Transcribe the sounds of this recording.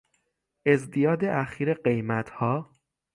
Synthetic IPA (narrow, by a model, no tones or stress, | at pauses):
ʔe̞zd̪ijɒːd̪eʔæxiːɾeɢe̞jmæt̪ʰhɒː